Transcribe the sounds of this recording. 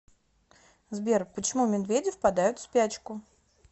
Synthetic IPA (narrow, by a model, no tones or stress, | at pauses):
zbʲerpət͡ɕɪmumʲɪnvʲedʲɪfpɐd̪ajʊt̪spʲæt͡ɕkʊ